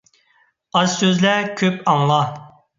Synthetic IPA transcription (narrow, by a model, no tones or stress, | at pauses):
ɑɾssøzlɛkʲʰøpɑŋlˠɑ